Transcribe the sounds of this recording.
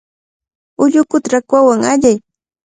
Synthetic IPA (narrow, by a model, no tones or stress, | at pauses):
ʊʎʊkʊt̪ɾakwawaŋaʎaj